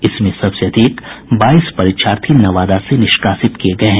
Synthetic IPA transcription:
ɪsmẽsɐbseɐd̪ʱiːkbaːispɐɾɪt̪ʃaːɾt̪ʰinɐʋaːd̪asenɪʃkaːsɪt̪kieɡɐeɦɛ̃

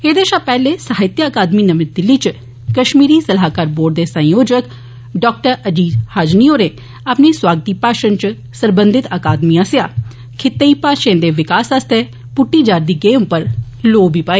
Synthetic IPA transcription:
eːd̪eːʃaːpɛːleːsəɦɪt̪jaəkaːd̪miːnəmɪd̪ɪlːiːt͡ʃ | kəʃmiːɾiːsəlɦaːkaːɾboːɾɖ̚d̪eːsə̃joːd͡ʒək | ɖɔːk̚ʈəɾəd͡ʒiːzhaːd͡ʒnioːɾeː | apneːswaːɡət̪iːpaːʃənt͡ʃ | səɾbə̃nd̪ɪt̪əkaːd̪mijãːsɪjaː | kʰɪt̪ːeiːpaːʃẽːd̪eːʋɪkaːsast̪e | pʊʈːiːd͡ʒaːɾd̪iːɡeːmpəɾ | loːbiːpaːeː

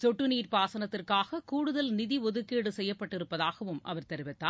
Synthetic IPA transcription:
sɔʈːɯniːɾpaːsɐnɐt̪ːɪrkaːɣɐkuːɽɯðɐlnɪðiɔðɯkːeːɽɯsɛjːɐpːɐʈːɪɾɯpːɐðaːɣɐʋɯmʔɐ̰ʋɐɾt̪ɐɾʋɪt̪ːaː

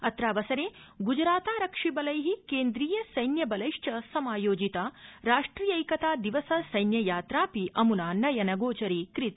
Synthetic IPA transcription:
ɐt̪ɾaːʋɐsɐɾeː | ɡud͡ʒɾaːt̪aːɾɐkʂibɐlɐjɦikeːnd̪ɾiːjɐsɐjnjɐbɐlɐjʂʈɐsɐmaːjoːd͡ʒit̪aːɾaːʂʈɾiːjɐjkɐt̪aːd̪iʋɐsɐsɐjnjɐjaːt̪ɾaːpiʔɐmunaːnɐjɐnɐɡoːt͡ʃɐɾiːkɾit̪

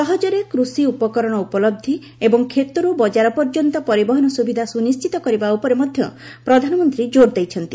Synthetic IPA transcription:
ʃɔɦɔd͡ʒɔɾekɾusiupɔkɔɾɔɽ̃ɔupɔlɔb̚d̪ʱi | ebɔŋkʰet̪uɾubɔd͡ʒaɾɔpɔɾd͡ʒɔnt̪ɔpɔɾibɔɦɔnɔsubid̪ʱasunist͡ʃit̪ɔkɔɾibaupɔɾemɔd̪ʱjɔ | pɾɔd̪ʱanɔmɔnt̪ɾid͡ʒoɾd̪ejt͡ʃʰɔnt̪i

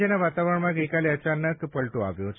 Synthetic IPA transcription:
enaʋat̪aʋɾəɳmaɡəjkaliət͡ɕanəkpəɭʈoa̰ʋjo

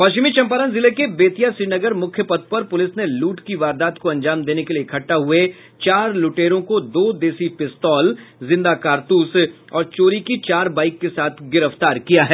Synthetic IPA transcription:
pɐʃt͡ʃɪmit͡ʃɐ̃mpaːɾənzɪlekebeːt̪ijasiːnɐɡəɾmʊkʰjəpɐt̪̚pɐɾpʊlɪsneluːʈkiʋaːɾd̪aːt̪koɐ̃ɲd͡ʒaːmd̪eːnekeliekʰɐʈːaɦʊe | t͡ʃaːɾlʊʈeːɾõkod̪oːd̪eːsipɪst̪ɔːlzɪ̃nd̪akaːɾt̪uːs | ɔːɾt͡ʃoːɾikit͡ʃaːɾbaːɪkːesaːt̪ʰɡɪɾəft̪aːɾkijaɦɛː

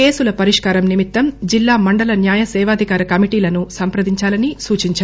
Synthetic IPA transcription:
eːsulɐpɐɾiʂkaːɾɐmnimit̪ːɐmd͡ʒilːaːmɐɳɖɐlɐnjaːjɐsɛːʋaːd̪ʱikaːɾɐkɐmiʈiːlɐnusɐmpɾɐd̪iɲt͡ʃaːlɐnisuːt͡ʃiɲt͡ʃa

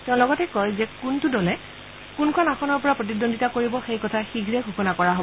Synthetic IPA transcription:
tɛʊ̃lɔɡɔtɛkɔjzɛkuntʊdɔlɛ | kunkʰɔnaxʰɔnɔɹpɔɹapɹot̬idonditakoɹibɔxejkɔtʰaxiɡʱɹɛɡʱuxɔnakɔɹaɦob

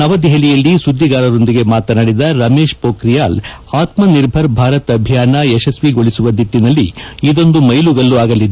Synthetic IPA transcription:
nɐʋɐd̪iɦɐlijɐlːisud̪ːiɡaːɾɐɾo̞nd̪iɡe̞maːt̪ɐnɐɽid̪ɐɾɐme̞ːʃpoːkɾijaːl | aːt̪mɐniɾbʱɐɾbʱaːɾɐt̪ɐbʱjaːnɐɛʃɐsʋiɡo̞ɭisuʋɐd̪iʈːinɐlːiid̪o̞nd̪umɐjluɡɐlːuaːɡɐlːid̪e

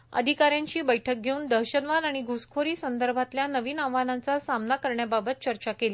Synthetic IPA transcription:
ə̰d̪ʱikaɾjaɲt͡ɕiːbəjʈʰək̚ɡʱeuːnd̪əɾɕənʋanaɽ̃iɡʱuskʰoɾiːsənd̪əɾbʱat̪ljanəʋiːnaʋanant͡sasamnakəɾɳjababət̪̚t͡ɕəɾt͡ɕakeliː

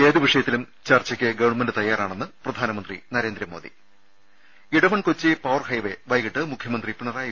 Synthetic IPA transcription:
eːd̪uʋiʂɐjɐt̪ːilum | t͡ɕɐrt͡ɕːɐkʲːɨɡɐʋɐɳmendɨt̪ɐjːaːraːɳenːɨprɐd̪ʱaːnɐmɐnd̪rinɐɾe̞ːnd̪ɾɐmo̞̰ːd̪ḭ | iɽɐmɐɳkot͡ɕːepɐwrhɐjʋe̞ʋɐjɣiʈːɨmukʰjɐmɐnd̪ripiɳɐraːj

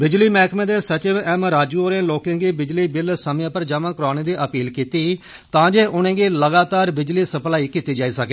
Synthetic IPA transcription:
bɪd͡ʒliːmɛːkmẽːd̪eːsət͡ʃeɛːmɾaːd͡ʒuːoːɾẽːloːkẽːɡiːbɪd͡ʒliːbɪlsəmãːpəɾd͡ʒaːmãːkɾʊaːñẽːd̪iːʔəpiːlkiːt̪iː | t̪ãːd͡ʒeːʔʊnẽːɡiːləɡaːt̪aːɾbɪd͡ʒliːsəplaːiːkiːt̪iːd͡ʒaːiːsəkeː

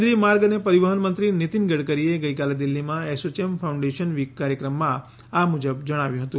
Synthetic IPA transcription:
d̪ɾimaɾɡənepəɾiʋəɦənmənt̪ɾinit̪inɡəɽkəɾieɡəjkaled̪ilːimãesot͡ʃemfʰawũɳɖeʃənʋikːaɾjəkɾəmːã | amud͡ʒəbd͡ʒəɽ̃aʋjũɦət̪ũ

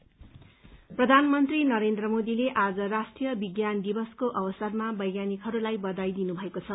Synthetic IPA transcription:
prʌd̪ʱanmʌnt̪rinʌɾend̪rʌmod̪ileʔad͡zʌɾasʈrijʌbiɡjand̪ibʌskoʔʌbʌsʌrmabʌjɡjanikɦʌɾulajbʌd̪ajd̪inubʱʌekot͡sʰʌ

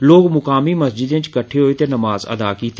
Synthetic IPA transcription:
loːɡmʊkaːmiːməsd͡ʒɪd̪ẽt͡ʃkəʈʰeːɦoːet̪eːnəmaːzə̰d̪aːkiːt̪e

